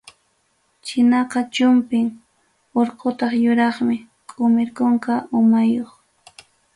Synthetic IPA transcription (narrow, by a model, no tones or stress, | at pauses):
t͡ʃɪnɑqɑt͡ʃʊmpɪŋ | oɾqot̪ɑχjʊɾɑχmɪ | kʼʊmɪɾkoŋkaʊmajoχ